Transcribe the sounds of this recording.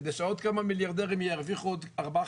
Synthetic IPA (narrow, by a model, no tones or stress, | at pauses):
dɪʃaɔtkamamiljaʁdɛʁɪmjɛʁviχɔdaʁba